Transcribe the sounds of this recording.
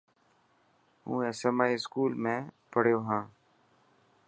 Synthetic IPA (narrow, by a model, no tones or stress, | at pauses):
ɦṵ̃ːeːsemaːiːɪskuːlmẽːpəɽjoːɦãː